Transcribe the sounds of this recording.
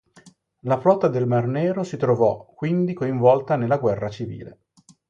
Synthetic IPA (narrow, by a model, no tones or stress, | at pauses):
lafɾɔt̪ad̪elmarnɛːɾosit̪ɾovɔkːwind̪ikoiɱvɔlt̪anelːaɡwɛrːat͡ʃivḭːlḛ